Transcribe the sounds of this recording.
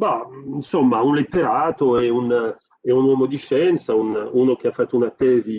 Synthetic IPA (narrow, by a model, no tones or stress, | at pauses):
bainsɔmːaunlet̪ːeɾaːt̪oɛun | ɛunwɔːmod̪iʃɛnt̪saununok̟eafːat̪ːounat̪ːɛːzi